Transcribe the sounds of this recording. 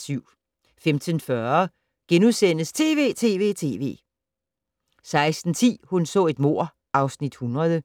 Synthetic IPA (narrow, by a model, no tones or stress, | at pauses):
syʊ̰ | femt͡sʰənfɶɐ | ɡ̥enuðˠsen̰əst͡sʰe̝ːʋe̝̰ːt͡sʰe̝̰ːʋe̝̰ːt͡sʰe̝̰ːʋe̝̰ː | sɑ̈ɪsd̥n̩t͡sʰḭːhunsɔ̰̽e̝d̥mo̝ɐ̰ | ʔɑ̈ʊsnid̥hunʁɐð̞ˠə